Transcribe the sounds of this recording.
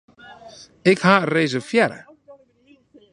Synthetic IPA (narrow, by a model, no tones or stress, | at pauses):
ɪkhaːrejs̬afjɛɾa̰